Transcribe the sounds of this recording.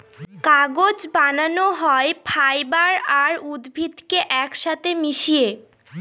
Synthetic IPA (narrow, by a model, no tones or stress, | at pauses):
kaɡod͡ʑbananoɦɔepʰajbaɾaɾud̪bʱid̪keʔɛkʃat̪ʰemiʃije